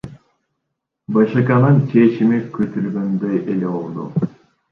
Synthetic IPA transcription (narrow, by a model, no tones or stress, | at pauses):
bɑʃɨkanɯnt͡ʃʰet͡ʃimikøt̪yɾɡønd̪øjʔelebolˠd̪ṵ